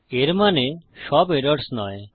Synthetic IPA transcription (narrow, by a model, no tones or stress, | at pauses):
eɾmaneʃɔbeɾɔɾɽsnɔ̰j